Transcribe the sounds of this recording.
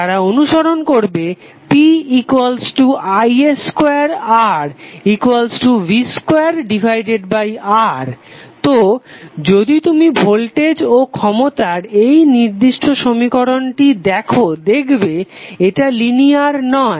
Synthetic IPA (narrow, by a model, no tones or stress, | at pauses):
aɾaonuʃoɾonkoɾbe | piikwalsʈuajeskeaɾaɾikwalsʈuviskoaɾɖibʱajɖeɖbajaɾt̪od͡ʑod̪it̪umibʱolʈed͡ʑokʰɔmot̪aɾejniɾd̪iʃʈʰoʃomikoɾonʈid̪ɛkʰod̪ekʰbeeʈaliniaɾnɔe